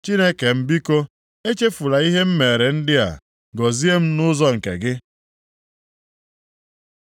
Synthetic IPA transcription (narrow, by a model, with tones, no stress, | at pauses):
t͡ʃi˦ne˦ke˨m̩˦bi˦ko˦ | e˦t͡ʃe˦fu˨la˨i˦ɦe˦m̩˦me˨ɾe˨n̩˦dɪ˦a̰˨ | ɡɔ˨zi˦e˦m̩˦nʊ˦zɔ˦ŋ̩˨kḛ˨ɡɪ˦